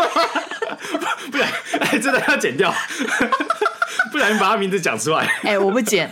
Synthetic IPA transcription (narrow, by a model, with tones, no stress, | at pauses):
pu˥˩ɻa˧˦ne˥˩ɪt͡sə˥nd̪ə˥˧jt͡ɕjɛ˨˩nt̪jɑ˥˨ʊ | pu˥ɻa˧˦ny˥˩pa˨˩a˥˩mi˧˦nt͡s̩˨˧t͡ɕjɑ̰˨˩ŋʈ͡ʂʰu˥˧wa˥˩ɪe˥˩ɪwɔ˨˩pu˥˩t͡ɕjɛ˨˩˦n